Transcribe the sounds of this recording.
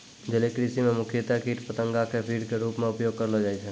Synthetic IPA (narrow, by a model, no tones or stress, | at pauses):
d͡ʒelekɾisimẽmʊkʰjət̪akiːʈpət̪ə̃ŋɡakepʰiːɾkeɾuːpmẽʊpjoːɡ̚kəɾlɦod͡ʒaːit͡ʃʰɛ